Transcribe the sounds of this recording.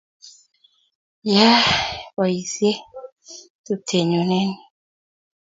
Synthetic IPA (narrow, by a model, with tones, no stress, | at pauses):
ja˦wa˨i˨sje˦ | tu˦tʰe˨ɲɔ˨nɛ˦ni˨